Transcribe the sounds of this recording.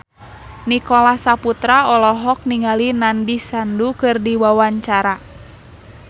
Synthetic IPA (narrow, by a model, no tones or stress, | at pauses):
nikɔlasaput̪ɾaɔlɔɦɔk̚niŋalinandisandukɨrdiwawaɲt͡ʃaɾa